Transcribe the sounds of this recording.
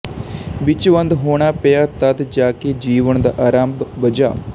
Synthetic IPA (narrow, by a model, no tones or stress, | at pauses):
ʋɪt͡ʃʋə̃nd̪ɦoːɳ̃aːpejaːt̪əd̪d͡ʒaːked͡ʒiːʋəɳd̪aːʔaːɾaːmbbəd͡ʒa̰ː